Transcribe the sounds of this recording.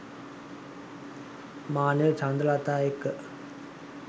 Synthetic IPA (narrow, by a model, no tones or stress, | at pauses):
maːnət͡ʃand̪əlat̪aːekːə